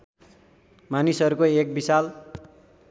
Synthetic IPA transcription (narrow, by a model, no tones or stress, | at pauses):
manisʌɾukoek̚bisal